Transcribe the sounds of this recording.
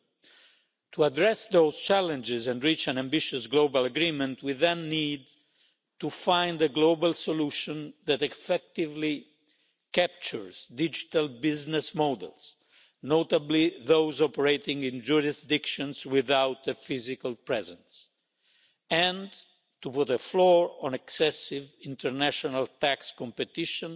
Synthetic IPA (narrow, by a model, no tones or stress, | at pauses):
t̪ʰuadɹɛsðowz̥t͡ʃælɛ̃nd͡ʒɪzɛ̃ndɹit͡ʃæ̃nãmbɪʃusɡlobalaɡɾĩmɛ̃nt̪ʰwɪðãnːiːd̪ | tufãjnd̪əɡlobalsɔluʃɔ̃nðæt̪ɛfɛk̚t̪ɪvli | kæp̚t͡ʃəɹz̥dɪd͡ʒit̪albɪznɛsmɔd̪ɛ̰ls | not̪abliðowzɔpəɹeɪt̪ĩŋɡɪ̃nd͡ʒuɹɪsd̪ɪkʃɔ̃nswɪðawt̪əfɪzikalpɹɛzɛ̃ns | ɛ̃n | t̪uput̪əflɔɹɔ̃nɛksɛsɪvĩnt̪əɹnæʃɔnalt̪ækskɔ̃mpɛt̪ɪʃɔ̃n